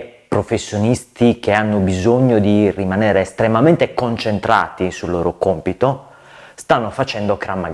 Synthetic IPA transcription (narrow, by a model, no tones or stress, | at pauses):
pɾofesːjonist̪ik̟eanːobizoɲːod̪irimaneːɾeːst̪ɾemament̪ekont͡ʃent̪ɾa̰ːt̪isulːo̰ːɾokompit̪o | st̪anːofat͡ʃɛnd̪okɾamːa̰ɡ